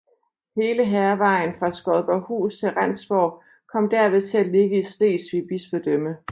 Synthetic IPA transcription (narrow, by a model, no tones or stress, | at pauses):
he̝ːləɦɛɐʋɑ̈ɪ̰n̩fʁɑ̈sɡ̥ɒ̽ðˠb̥ɒhṵːst͡sʰe̝lʁan̰sb̥ɒʊ̰ | kʰɒ̽m̰d̥æɐ̰ʋe̝ðˠt͡sʰe̝æle̝ɡ̥əisd̥e̝̰ːsʋib̥isb̥əd̥ømə